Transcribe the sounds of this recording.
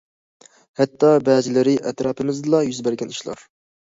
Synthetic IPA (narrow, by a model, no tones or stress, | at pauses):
hɛt̪ːɑbɛd͡ʒɪlɪɾɪʔɛt̪ɾɑːpʰɨmɪzɨlˠɑjyzbæɾɡʲɛniʃlˠɑ̰ɾ